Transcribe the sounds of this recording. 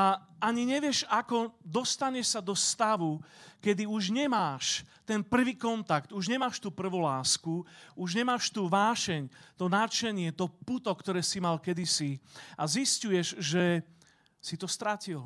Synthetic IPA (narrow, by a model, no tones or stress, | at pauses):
aaɲiɲɛʋɪɛʃakɔd̪ɔst̪aɲɛʃsad̪ɔst̪aʋukɛd̪iuʒɲɛmaːʃt̪ɛnpr̩ʋiːkɔnt̪akt̪uʒɲɛmaːʃt̪uːpr̩ʋulaːskuuʒɲɛmaːʃt̪uːʋaːʃɛɲt̪ɔnat͡ʃɛɲɪɛt̪ɔput̪ɔkt̪ɔɾɛːsimalkɛd̪isiaziscujɛʒʒɛ | sit̪ɔst̪ɾacil